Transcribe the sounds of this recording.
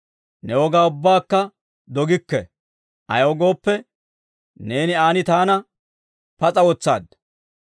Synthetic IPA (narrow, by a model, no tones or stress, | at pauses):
nɛwɔɡaːʊbːaːkːɐ | d̪ɔɡɪkːɛ̰ | ʔɐ̰jɔɡo̞ːpːɛ | ne̞ːnɪaːnɪt̪aːnɐ | pɐt͡sʼɐwɔt͡sːa̰ːd̪